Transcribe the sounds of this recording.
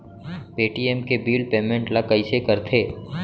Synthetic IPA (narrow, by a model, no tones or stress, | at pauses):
peːʈiemkebiːlpeːmẽɳʈlakɐisekɐɾt̪ʰeː